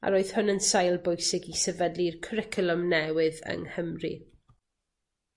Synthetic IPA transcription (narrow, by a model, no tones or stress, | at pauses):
a̰ɾoːɨð̥hʊnənsajlˠbojsɪɡisɛvədlirkʰɾɪkʰəlˠɔmnɛwɨðə̰ŋhəmrḭ